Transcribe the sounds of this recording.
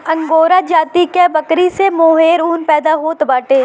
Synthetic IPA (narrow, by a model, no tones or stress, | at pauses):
ɐ̃ŋɡoːɾad͡ʒaːt̪ikebɐkɾisemoːɦeːɾuːnpɛːd̪aɦoːt̪baːʈeː